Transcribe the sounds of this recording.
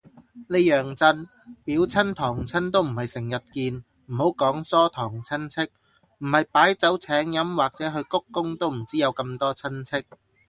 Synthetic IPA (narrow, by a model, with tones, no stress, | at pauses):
le˨˧jœː˨˩ŋt͡sɐ˧n | piː˨˥wt͡sʰɐ˥nt̪ʰɔː˨˩ŋt͡sʰɐ˥nt̪o˥wm̩˨˩hɐ˨jsɪ˨˩ŋjɐ˨t̚kiː˧n | m̩˨˩ho˨˥wkɔː˨˥ŋsɔː˥t̪ʰɔː˨˩ŋt͡sʰɐ˥nt͡sʰɪ˥k̚ | m̩˨˩hɐ˨jpaː˨˥jt͡sɐ˨˥wt͡sʰɛː˨˥ŋjɐ˨˥mwaː˨k̚t͡sɛː˨˥ɦɵ˧ɥkʊ˥kːʊ˥ŋt̪o˥wm̩˨˩t͡siː˥jɐ˨˧wkɐ˧mt̪ɔː˥t͡sʰɐ˥nt͡sʰɪ˥k̚